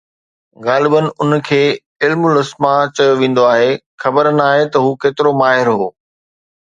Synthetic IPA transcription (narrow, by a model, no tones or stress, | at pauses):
ɣaːlɪbənɪ̆ʊnkʰeː | ɪlmʊlɐsmat͡ɕɐjoʋẽːn̆d̪oaːɦe | xɐbəɾnaːɦet̪ɐɦuːkeːt̪ɪɾomaːɦɪɾɦoː